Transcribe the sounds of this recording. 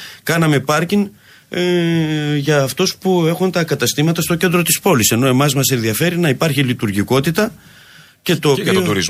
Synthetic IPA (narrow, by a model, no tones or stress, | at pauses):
kɐnɐme̞pɐɾciŋ | ʝɐːft̪o̞spue̞xunt̪ɐkɐt̪ɐst̪imɐt̪ɐst̪o̞ce̞nd̪ɾo̞t̪ispo̞lise̞no̞emɐzmɐse̞nðiɐfe̞ɾinɐipɐɾçilit̪uɾʝiko̞t̪it̪ɐ | ce̞t̪o̞ːpioɾiz